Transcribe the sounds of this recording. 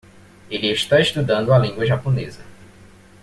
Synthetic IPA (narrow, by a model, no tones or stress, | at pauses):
elieʃt̪aeʃt̪ud̪ɐ̃nd̪ʊalĩŋɡwɐʒaponḛzɐ